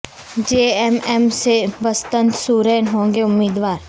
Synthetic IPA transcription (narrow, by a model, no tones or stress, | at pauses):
d͡ʒeːɛmɛmsebəst̪ə̃nt̪suːɾeːnɦõːŋɡeʊmːiːd̪ʋaːɾ